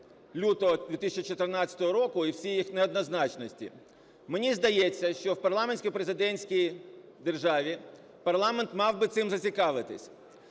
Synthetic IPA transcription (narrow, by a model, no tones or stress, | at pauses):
lʲut̪ɔɦɔd̪ʲʋʲit̪isʲɐt͡ʃit͡ʃɔt̪ɪrnɑt͡sʲɐt̪ɔɦɔɾɔkʊiwsʲijjixneɔd̪nɐznɑt͡ʃnɔsʲtʲḭ | menʲizd̪ɐjɛt͡sʲːɐʃt͡ʃɔwpɐrlˠamenʲsʲkijpɾezɪd̪ɛnʲsʲkʲij | d̪e̞rʒɑʋʲi | pɐrlˠɑment̪mɑwbɪt̪sɪmzɐt͡sʲikɑʋɪt̪ɪ̰sʲ